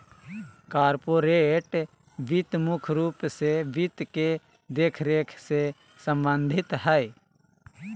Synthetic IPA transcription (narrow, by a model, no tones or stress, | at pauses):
kaːɾpoːɾeʈ | ʋɪt̪mʊkʰɾuːpseʋɪt̪ke | d̪eːkʰɾeːkʰse | sɐ̃mbə̃nd̪ʱɪt̪ɦɛe